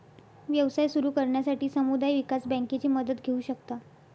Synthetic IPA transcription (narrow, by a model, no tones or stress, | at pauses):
ʋjəʋsajsuɾuːkəɾɳjasaʈiːsəmud̪ajʋikasbə̃ŋket͡ɕiːməd̪ət̪ɡʱeuːɕəkt̪a